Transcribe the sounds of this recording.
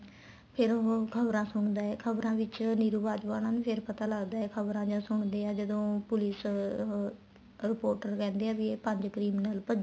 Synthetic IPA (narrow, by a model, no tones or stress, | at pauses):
pʰɪɾokʰəbɾãːsʊɳd̪aːɛːkʰəbɾãːʋɪt͡ʃniːɾuːbaːd͡ʒʋaːnãːnupʰɪɾpət̪aːləɡd̪aːɛːkʰəbɾãːd͡ʒãːsʊɳd̪eːaːd͡ʒəd̪õːpʊlɪs | ɾɪpoːɾʈəɾkɛ̃ːnd̪eaːʋieːpə̃ɲd͡ʒkɾiːmnəlpəd͡ʒ